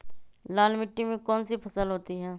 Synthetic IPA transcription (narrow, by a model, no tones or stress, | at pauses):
laːlmɪʈːimẽkɔːnsipʰɐsəlɦoːt̪iɦɛː